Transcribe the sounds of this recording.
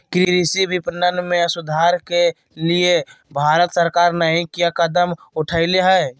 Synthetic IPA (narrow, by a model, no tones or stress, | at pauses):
kɾiɾisibʱipnənmẽəsʊd̪ʱaːɾke | liebʱaːɾət̪səɾkaːɾnəɦĩkijakəd̪əm | ʊʈʰəɪleɦɛː